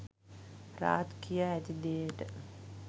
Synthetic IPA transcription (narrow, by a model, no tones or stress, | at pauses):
ɾa̰ːt̪kijaæt̪id̪eːʈə